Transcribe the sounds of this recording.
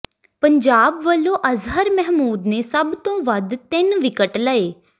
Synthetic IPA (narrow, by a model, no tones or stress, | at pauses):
pəɲd͡ʒaːbʋəlːõːʔəzɦəɾmɛɦmuːd̪neːsəbt̪õːʋəd̪t̪ɪnʋɪkəʈləeː